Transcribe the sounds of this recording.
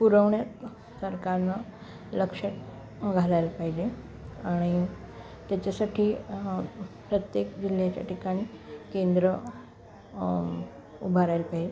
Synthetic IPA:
puɾəʋɳjat̪ | səɾkaɾna | ləkʂəʈ̚ | ɡʱalajlpaɦid͡ʑe | aɽ̃i | t̪jat͡ɕasaʈʰiː | pɾət̪jekd͡ʑiljat͡ɕja̰ʈikaɽ̃ikend̪ɾə | ubʱaɾajlpaɦid͡ʑe

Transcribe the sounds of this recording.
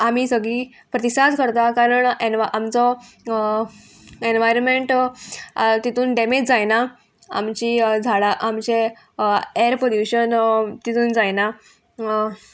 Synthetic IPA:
am̤iːsəɡɭiː | pɾət̪isad̪kəɾt̪akaɾəɳenʋaʔamt͡sɔ | enʋajɾənmeɳʈ | t̪it̪ʰuːnɖemed͡ʑd͡zajna | a̰mt͡ɕiːd͡zʱaɭaʔamt͡ɕe | eɾpoɾjuɕənt̪it̪ʰuːnd͡zajna

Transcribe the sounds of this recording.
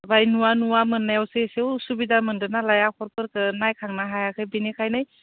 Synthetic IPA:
bajnuwanuwamɯnːajawsesewsubidamɯndɯnalajakʰɔɾpɯɾkɯnajkʰaŋnaɦajakʰɯjbinekʰajnɯj

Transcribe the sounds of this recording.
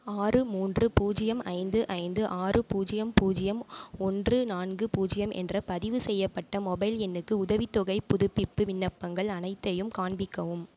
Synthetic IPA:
aːrɯmuːndrɯpuːd͡ʒɪjɐmʔɐɪnd̪ɯʔɐɪnd̪ɯʔaːrɯpuːd͡ʒɪjɐmpuːd͡ʒɪjɐmɔndrɯnaːnɡɯpuːd͡ʒɪjɐmʔɛ̰ndrɐpɐðɪʋɯsɛjːɐpːɐʈːɐmɔbɐɪlɛnːɯkːɯʊðɐʋɪt̪ːɔɣɐɪpːʊðʊpːɪpːɯʋɪnːɐpːɐŋɡɐɭɐnɐɪt̪ːɐjɯmkaːɳbɪkːɐʋɯm

